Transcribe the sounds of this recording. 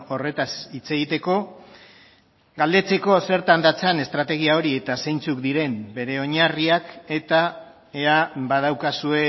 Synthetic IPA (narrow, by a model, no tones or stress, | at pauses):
o̞re̞t̪asit͡se̞ɣ̞it̪e̞ko̞ | ɡald̪e̞t͡se̞ko̞se̞ɾt̪and̪at͡sane̞st̪ɾat̪e̞ɣiao̞ɾie̞t̪ase̞jnt͡sukd̪iɾe̞mbe̞ɾe̞o̞ɲariake̞t̪a | e̞abað̞awkasue̞